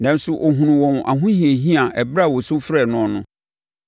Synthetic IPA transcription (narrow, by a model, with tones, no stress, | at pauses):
nã˨n̩˦sʊ˦ʔo˨ɦũ˨nũ˨wɔ̃˨mʔa̰˨ɦʊ̃˦hĩ˨e˨ɦĩ˦a˨ʔɛ˨bɾa˦˨wɔ˨sʊ̃˦fɾɛ˨nʊ̃˦ɔ˨nʊ̃˦